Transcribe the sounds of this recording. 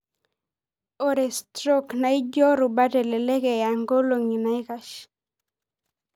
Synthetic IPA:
o˨ɾe˨stɾo˦kna˨˦ɪ˦d͡ʒɔ˦ɾʊ˨ba˦tɛ˨lɛ˨lɛ˦kɛ˨ja˨ŋɡo˦lo˨ŋi˨na˨˦ɪ˦ka˦ʃ

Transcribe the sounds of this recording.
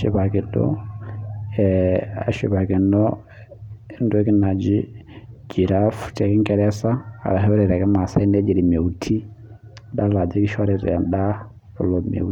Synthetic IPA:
ʃi˨ba˨ki˨dɔ̰˦ | ɛ˨a̰˨ʃḭ˨ba˨ki˨nɔ˦ | ndɛ˦ki˦na˨d͡ʒi˦ | d͡ʒi˨ɾa˦fu̥˨t͡ʃɛ˨ki˦ŋkɛ˦ɾɛ˦sa˦a̰˨ɾa˨ɦɛ˦ɾɛ˨ɾɛ˨kɛ˦ma˨sa˦i˦nɛ˦d͡ʒi˨ɾi˨me˨u˨tʰi˦ | da˦la˨d͡ʒi˦ki˦ʃa˦ɾi˨ɾɛ̰˨nda˦ | ɔ˨lɔ˨mḛ˨

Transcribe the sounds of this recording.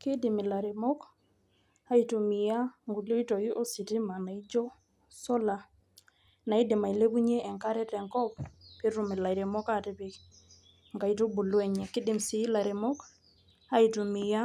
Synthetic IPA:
kɪ˦dɪ˨mɪ˨la˨ɾe˨mɔ˦k | a˦itu˨mi˨ja˦ŋɡu˨lo˦i˦tɔ˨i˦ʔo˦si˨tɪ˦ma˨na˨i˦d͡ʒɔ˦ | sɔ˦la˨ | na˨i˦dɪ˨ma˨i˨le˦ku˦ɲe˦ʔɛ˨ŋka˦ɾɛ˦tɛ˨ŋkɔ˦ppe˦ɾu˨mɪ˨la˨i˨ɾe˨mɔ˦katɪ˨pɪ˨ | ŋɡa˨i˨to˦bu˨lwɛ˦ɲɛ˨kɪ˦dɪ˨msɪ˨˦la˨ɾe˨mɔ˦k | a˦itu˨mɪ˨ja˦

